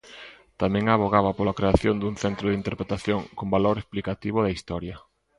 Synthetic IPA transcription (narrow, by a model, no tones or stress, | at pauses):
t̪amɛ̃ŋaβoɣaβɐpolakɾeaθjond̪uŋθɛnt̪ɾʊðint̪eɾpɾet̪aθjoŋkombaloɾesplikat̪iβ̞ʊðɐist̪ɔɾjɐ